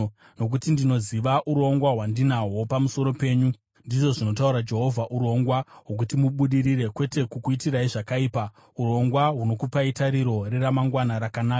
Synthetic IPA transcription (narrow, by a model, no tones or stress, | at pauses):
no̞k̬utindino̞ziʋaʔuɾo̞ŋɡwaɦwandinawo̞pamuso̞ɾo̞pe̞ːɲu | ndiʐo̞ʐino̞tauɾad͡ʒe̞ɦo̞vʱaʔuɾo̞ŋɡwaɦwok̬utimuɓuɗiɾire̞kwe̞te̞kukuitiraiʐakaiːpa | uɾo̞ŋɡwaɦuno̞kupaitaɾiɾo̞reɾamaŋɡwanaɾakanaːka